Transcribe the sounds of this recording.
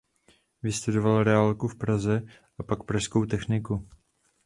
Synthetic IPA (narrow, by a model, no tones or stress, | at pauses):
vɪst̪udo̞valɾɛaːlkufpɾazɛ | ʔapakpɾaʃsko̞wt̪ɛxnɪku